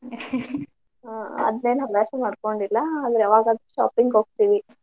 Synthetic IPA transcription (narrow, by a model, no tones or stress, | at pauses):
aɐ̰d̪neːnɐbaːsɐmaːɖkoɳɖilːɐaːd̪ɐɾeɐʋaːɡaːd̪ɾuʃa̰ːpiŋɡɦoːɡ̚t̪iːʋi